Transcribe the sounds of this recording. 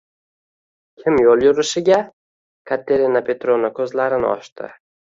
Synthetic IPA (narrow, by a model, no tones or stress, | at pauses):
kʲʰɪmjolˠjʊɾɪʃɪɡʲa | kʰat̪ʰeɾinapʰe̞t̪ɾonakʲʰɵzlaɾɪnɪ̰ɒ̰ʃt̪ʰɪ̰